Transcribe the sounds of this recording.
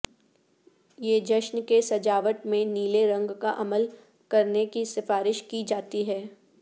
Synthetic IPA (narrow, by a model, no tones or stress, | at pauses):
jeːd͡ʒɐʃnkesɐd͡ʒaːʋəʈmẽniːleɾɐ̃ŋɡkaʔɐməl | kɐɾnekisɪfaːɾɪʃkid͡ʒaːt̪iɦɛː